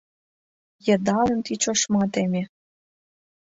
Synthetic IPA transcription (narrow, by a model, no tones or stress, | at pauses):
jə̆d̪ɑlə̆nt̪it͡ɕoʃmɑt̪emʲĕ